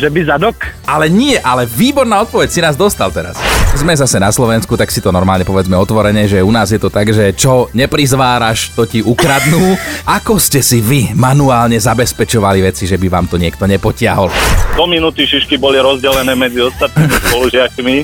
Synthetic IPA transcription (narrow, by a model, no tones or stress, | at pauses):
ʒɛbizad̪ɔkalɛɲɪɛʔalɛʋiːbɔɾnaːɔt̪̚pɔʋɛcsinaːzd̪ɔst̪alt̪ɛɾa̰szmɛzasɛnaslɔʋɛnskut̪aksit̪ɔnɔɾmaːlɲɛpɔʋɛd͡zmɛɔt̪ʋɔɾɛɲɛʒɛunaːzjɛt̪ɔt̪aɡʒɛt͡ʃɔɲɛpɾizʋaːɾaʃt̪ɔciʔukɾad̪nuːʔakɔscɛsiʋimanuaːlɲɛzabɛspɛt͡ʃɔʋaliʋɛt͡siʒɛbiʋa̰ːmt̪ɔɲɪɛkt̪ɔɲɛpɔcɪaɦɔld̪ɔminut̪iʃiʃkibɔliɾɔzɟɛlɛnɛːmɛd͡ziɔst̪at̪̚nimispɔluʒɪakmi